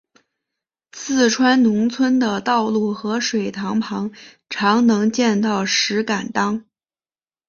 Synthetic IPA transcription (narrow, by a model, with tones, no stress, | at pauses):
t͡sʰɹ̩˥˩ʈ͡ʂʰwa˥nnʊ˧˥ŋt͡sʰwə˥nd̪ə˨t̪ɑ˥˧ʊlu˥˩xɤ˧˥ʂwe˨˩ɪt̪ʰɑ˧˥ŋpʰɑ˧˥ŋ | ʈ͡ʂʰɑ˧˥ŋnɤ˧˥ŋt͡ɕjɛ˥˧nt̪ɑ˥˩ʊʂɻ̩˧˥ka˨˩nt̪ɑ˥ŋ